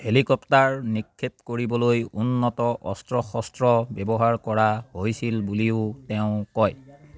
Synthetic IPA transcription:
helikɔptaɹnikʰːep̚koɹibɔlojunːɔtɔʔɔstɹɔxɔstɹɔbɛbɔɦaɹkɔɹaɦojsilbuliʊtɛʊ̃kɔj

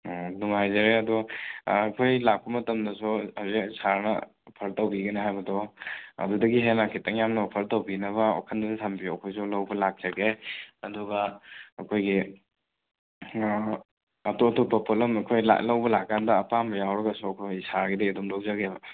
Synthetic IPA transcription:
nuŋhajzɐɾeɐduː | kʰojlak̚pɐmɐtɐmdɐsuɐzesaɾnɐ̰ | pʰɐɾtɐwbiɡɐneɦajbɐdɔɐ̰dudɐɡiɦenakʰitɐŋjamnɐpʰɐɾtɐwbinɐβɐo̰kʰɐndɐdɐtʰɐmbijoɐkʰojsulɐwbɐlak̚zɐɡeɐduɡɐɐkʰojɡi | ɐtotopːɐpʰolɐmɐkʰojla̰lɐwbɐlakːandɐːpambɐjawɾɐɡɐsuɐkʰojsaɾɡidɐidumlowd͡ʒɐɡebɐ

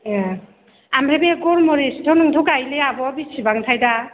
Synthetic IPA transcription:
amɾebeɡɔɾmɔɾesdʰɔnɔŋd̪ʰɔkajleabɔbisibaŋt̪ʰajda

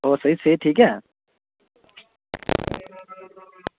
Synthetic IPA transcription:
oːsəɦiseːʈʰiːk̬ɦɛː

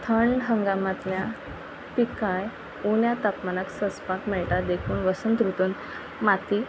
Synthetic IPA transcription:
t̪ʰəɳɖɦəŋɡamãt̪lja | pikaj | unjat̪apmanəksəspãt̪mɛɭʈad̪ekʰuːnʋəsənt̪ɾut̪uːn | mat̪i

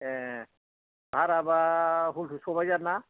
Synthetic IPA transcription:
ɛ̃ | bʱaɾabaɦulʰusɔbajzanːa

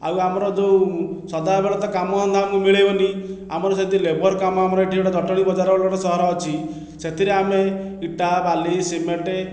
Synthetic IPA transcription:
a̰wamɔɾɔd͡ʒewsɔd̪abeɭɔt̪ɔkamɔsɔnd̪ʰʱamkimiɭejbɔni | amɔɾɔset̪ilebʱɔɾkamɔamɔɾɔiʈʰiewʈad̪ʱɔʈɔɽ̃ibɔd͡ʒaɾɔɔɭɔɽɔsɔɦɔɾɔɔt͡ʃʰi | set̪ʰiɾeame | iʈabalisimeɳʈe

